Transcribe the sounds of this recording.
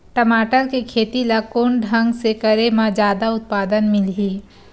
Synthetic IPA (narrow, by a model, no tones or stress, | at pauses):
ʈəmaːʈəɾkekʰeːt̪ilakoːnɖʱə̃ŋɡsekəɾemãd͡ʒjaːd̪aʊt̪̚paːd̪ənmɪlɦiː